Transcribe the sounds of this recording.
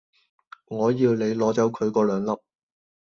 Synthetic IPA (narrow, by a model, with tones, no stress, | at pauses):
ŋɔː˨˧jiː˧wle˨˧jlɔː˨˥t͡sɐ˨˥wkʰɵ˨˧ɥkɔː˧lœː˨˧ŋlɐ˥p̚